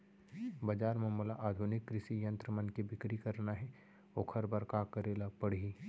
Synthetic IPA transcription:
bɐd͡ʒaːɾmɐ̃mulaʔaːd̪ʱʊnɪkːɾɪʃijɐ̃nt̪ɾəmɐ̃nkebɪkɾikɐɾnaɦɛ | oːkʰɐɾbɐɾkakəɾeːlapɐɽi

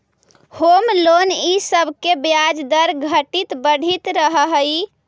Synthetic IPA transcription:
homlonisəbʱkebjad͡ʒd̪əɾɡʱəʈit̪bəɽ̤ʱit̪ɾəɦəɦəj

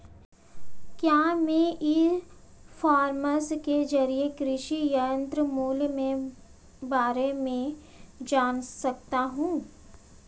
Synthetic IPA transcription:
kjaːmɛ̃ʔɪ | fʰaːɾməsked͡ʒɐɾiekɾɪʃijəə̃nt̪ɾəmuːlmẽ | baːɾemẽ | d͡ʒaːnsɐk̚t̪aɦũː

